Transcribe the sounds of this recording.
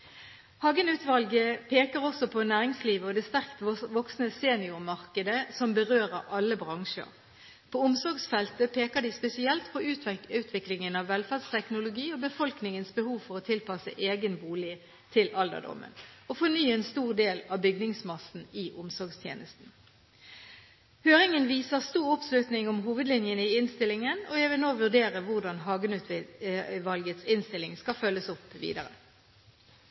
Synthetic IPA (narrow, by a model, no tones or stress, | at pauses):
hɑːɡənʉːt̪ʋɑlɡəpʰeːkəʁɔsɔpʰɔnæːʁɪŋsliːʋəɔd̪ɛst̪æʁkt̪ʋɔksnəseːnɪʊʁmɑʁkəd̪əsɔmbəʁøːʁəɑlːəbʁɑŋʃə̰ʁ | pʰɔʊmsɔɡsfɛlt̪əpʰeːkəd̪ɪspɛsɪɛlt̪pʰɔʉːt̪ʰʋɛʉːt̪ʰʋɪklɪŋənɑʋːɛlfæʁd̪st̪ʰɛknʊlʊɡiːɔbəfɔlknɪŋənsbəhuːʋfɔʁɔt̪ʰɪlpɑsə̰ʔeːɡənbuːlɪ | t̪ʰɪlɑld̪ə̰d̪ɔ̰mə̰nɔfɔnyːeːnst̪uːʁd̪eːlɑbʏɡnɪŋsmɑsn̩ɪʔʊmsɔʁɡst̪ʰjḛːnʔəst̪n̩ | høːʁɪŋənʋiːsəʁst̪uːʁʊpslʉt̪nɪŋɔmɦuːʋəd̪lɪnjənəɪɪnst̪ɪlːɪŋənɔjæɪʋɪlnoːʋʉʁd̪eːʁəʋʊʁd̪ɑnɦɑːɡənʉt̪ | ʋɑlɡət̪sɪnst̪ɪlːɪŋskɑfœlːəsʊpːʋḭːd̪ɑʁə